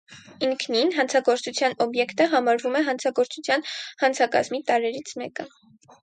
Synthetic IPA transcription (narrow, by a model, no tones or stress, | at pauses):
iŋkʰninɦɑnt͡sʰɑɡɔɾt͡sut͡sʰjɑnɔbjɛkt̪əɦɑmɑɾvumɛɦɑnt͡sʰɑɡɔɾt͡sut͡sʰjɑnhɑnt͡sʰɑkɑ̰zmit̪ɑɾɛɾit͡sʰmɛ̰kə